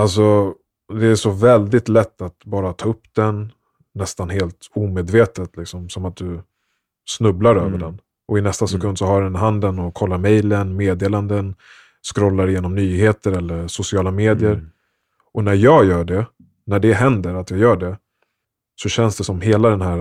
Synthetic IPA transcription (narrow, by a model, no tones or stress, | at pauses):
alsɔ | d̪ɛæʂɔvɛld̪ɪt̪lɛt̪ːat̪bɑːɾat̪ʰɑːɵpːd̪ɛnː | ɛst̪anɦeːlt̪uːmeːd̪veːt̪ət̪lɪksɔmsɔmat̪̚d̪ɵ | snɵblaɾø̰ːvəɖɛn | ʔɔɪnɛst̪asɛkʰɵnd̪sɔɦaɾɛnɦand̪ənɔkʰɔlːaɾmɛjlənmeːd̪eːland̪ən | skɾɔlːaɾɪjeːnɔmnyːheːt̪əɾɛlːəɾsʊsɪɑːlameːd̪ɪəɾ | ʔɔnæɾjɑːɡjœːɖɛ | næɖɛɦɛnd̪əɾat̪jɑːɡjœːɖɛ | sɔɕɛnsd̪ɛsɔmheːlad̪ɛnɦæɾ